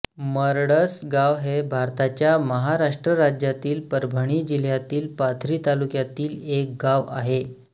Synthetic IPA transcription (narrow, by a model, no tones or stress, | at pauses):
məɾɽəsɡaʋɦebʱaɾt̪at͡ɕjaməɦaɾaʂʈɾəɾad͡ʑjat̪iːlpəɾbʱəɽ̃iːd͡ʑil̤jat̪iːlpat̪ʰɾiːt̪alukjat̪iːlek̚ɡaʋa̰ɦe